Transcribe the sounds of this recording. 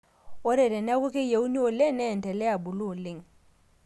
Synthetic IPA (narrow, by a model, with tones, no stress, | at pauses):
o˦ɾe˨ɾɛ˨na˦kʊ˦ke˦je˨u˦ni˦o˨le˦nɛ˦˨ntɛ˨lɛ˦a˨bu˨lu˦˨le˦ŋ